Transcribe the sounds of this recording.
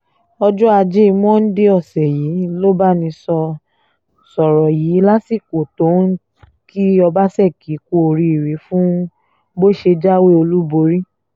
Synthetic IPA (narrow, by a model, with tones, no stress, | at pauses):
ɔ˧d͡ʒɔ˦a˧d͡ʒe˦i˧mɔ̃˦n̩˦de˦ɔ˦˨sɛ˨jiː˨˦lo˦ba˦nĩ˧sɔ˧ | sɔ˨ɾɔ˨jiː˨˦la˦si˦˨ko˨to˨˦n˦ | ki˦ɔ˧ba˦sɛ˦˨ki˨˦ko˧o˨ɾi˧i˨ɾe˨˦fũ˦ | bo˦ʃe˧d͡ʒa˦we˦o˧lu˦bo˧˦ɾi˦